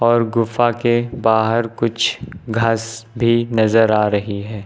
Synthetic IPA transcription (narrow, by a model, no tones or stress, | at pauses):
ɔːɾɡʊfakebaːɦəɾkʊt͡ʃʰɡʱasbʱinɐzəɾaːɾɐɦiɦɛː